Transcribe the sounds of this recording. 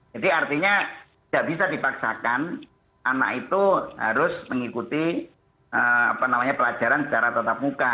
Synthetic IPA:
d͡ʒ̥adiart̪iɲa | d̥aʔb̥isadipaksa̰kan | ʔana̰ʔit̪uha̰ɾʊsməŋikut̪i | əa̰panamaɲapəlad͡ʒ̥a̤ɾansə̥t͡ʃaɾat̪ət̪ap̚muka

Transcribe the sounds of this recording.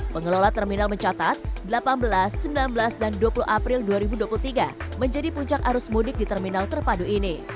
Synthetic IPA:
pəŋəlolat̪ərminalməɲt͡ʃat̪at̪̚dəlapanbəlasːəmbilanbəlasdanduapuluʔapɾɪlduaɾibuduapulut̪iɡaməɲd͡ʒadipuɲt͡ʃakaɾʊsmudɪk̚dit̪ərminalt̪ərpaduini

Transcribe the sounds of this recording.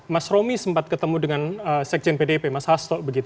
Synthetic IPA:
masɾomisəmpat̪̚kət̪əmudəŋanəsɛk̚t͡ʃɛnpedepemashast̪ɔʔbəɡit̪u

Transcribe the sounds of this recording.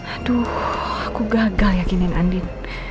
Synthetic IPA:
t̪uakuɡaɡaljakinina̰ndin

